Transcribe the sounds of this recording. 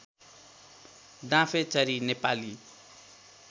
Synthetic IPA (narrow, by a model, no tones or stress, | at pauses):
d̪ãfʰet͡sʌɾinepali